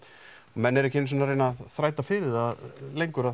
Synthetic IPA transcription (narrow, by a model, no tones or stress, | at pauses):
ɔmɛnːɛɾɛhcɪnsɛnaɾeːjnaðθɾaːjt̪afɪɾɪðaðlejŋkʏɾa